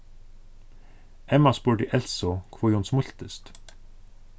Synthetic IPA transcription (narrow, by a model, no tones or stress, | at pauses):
ɛmɑspuːɖḭːʔɛlsɔkʰʋoːjuːnsmʊɬt̪əst̪